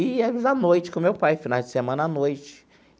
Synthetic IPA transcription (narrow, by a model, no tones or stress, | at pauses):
ɪɛvizanojt͡ʃɪ̥kõmewpajfinawd͡ʒɪsemɐ̃nɐanojt͡ʃɪ̥